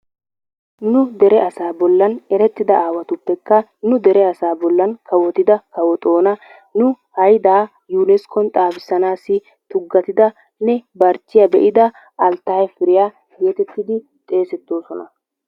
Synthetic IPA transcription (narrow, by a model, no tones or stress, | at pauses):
nʊd̪ɛɾɛʔɐsaːbɔlːɐnɛɾɛt̪ːɪd̪ɐaːwɐt̪ʊpːɛkːɐnʊd̪ɛɾɛɐsaːbɔlːɐnkʰɐwɔt̪ɪd̪ɐkɐwɔt̪ʼo̞ːnɐ | nʊ | hɐjd̪aː | juːnɛskɔnt̪ʼaːfɪsːɐnaːsːɪ | t̪ʊɡːɐt̪ɪd̪ɐ | nɛbɐɾt͡ʃːɪjɐbɛ̰ʔɪd̪ɐ | ɐlt̪ːɐɐjfɪɾɪjaː | jeːt̪ɛt̪ːɪd̪ɪ | t̪ʼe̞ːsɛt̪ːo̞ːsɔnɐ